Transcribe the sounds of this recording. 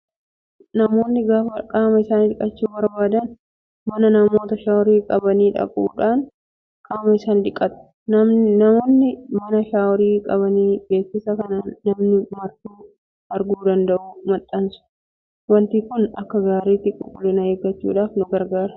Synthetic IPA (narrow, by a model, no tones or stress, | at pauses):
nɐmoːnːɪɡaːfɐkʼaːmɐɪsaːnd̪ɪkʼɐt͡ʃːuːbɐɾbaːd̪ɐn | mɐnɐnɐmo̞ːt̪ɐʃaːwɾiːkʼɐbɐniːᶑɐ̰kʼṵːᶑaːn | kʼaːmɐɪsaːnd̪ɪkʼːɐt̪ɐ̥ | nɐmo̞ːnːɪmɐnɐʃaːwɾiːkʼɐbɐniːbe̞ːkːɪsɐkɐnaːnːɐmnɪmɐɾt̪uː | ɐɾɡuːd̪ɐnd̪ɐʔuːmɐt̪ʼːɐnsʊ̥ | wɐnt̪iːkʊnɐkːɐɡaːɾiːt̪ːɪkʼʊ̰kʼːʊlɪnɐheːɡɐt͡ʃːṵːᶑaːfnʊɡɐɾɡaːɾɐ